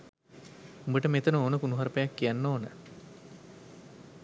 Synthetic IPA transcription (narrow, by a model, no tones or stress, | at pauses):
umbəʈəmet̪ənəoːnəkunuɦaɾəpejakːijanːoːnə